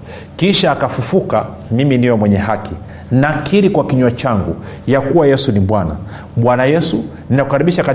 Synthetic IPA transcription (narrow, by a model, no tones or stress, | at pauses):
kiʃaːkafufuka | miminiwɛmwɛɲɛhakʰi | nakʰiɾikwakiɲuwat͡ʃaŋɡujakuwajɛsuniɓwana̰ | ɓwanajɛsu | ninakukaɾiɓiʃaka